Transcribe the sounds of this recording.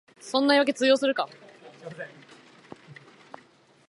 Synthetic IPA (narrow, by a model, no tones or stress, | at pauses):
sõ̞nːaiβak̬e̞t͡sɨːjo̞ːsɨɾɯ̟ka